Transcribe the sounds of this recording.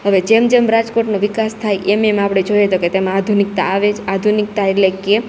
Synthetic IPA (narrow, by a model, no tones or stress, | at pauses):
ɦəʋed͡ʒemd͡ʒemɾad͡ʒkoʈnoʋikast̪ʰajʔememapɽ̃ed͡ʒoiet̪oket̪emãːd̪ʱunik̚t̪aːʋed͡ʒad̪ʱunik̚t̪aeleke